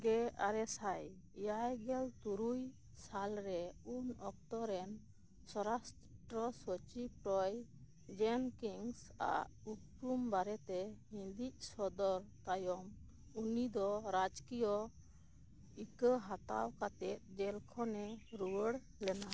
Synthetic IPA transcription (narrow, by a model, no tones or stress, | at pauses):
ɡɛa̰ɾɛsaj | ijajɡɛlt̪uɾuj | salɾɛunɔk̚t̪ɔɾɛn | sɔɾast̪ʈɾɔsɔt͡ʃip̚ɾɔj | d͡ʒɛnkiŋs | a̰ʔ | utpumbaɾɛt̪ɛhĩnd̪iʔ̚sɔd̪ɔɾt̪ajɔm | unid̪ɔɾad͡ʒkijɔ | ikəɦat̪a̰wkat̪ɛt̪̚d͡ʒɛlkʰɔnɛɾuwəɽ | lɛna